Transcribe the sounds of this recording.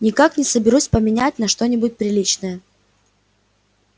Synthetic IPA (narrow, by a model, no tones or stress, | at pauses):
nʲɪkaknʲɪsəbʲɪɾusʲpəmʲɪnʲæt̚ʲnɐʂt̪o̞nʲɪbʊt̚ʲpɾʲɪlʲit͡ɕnəjə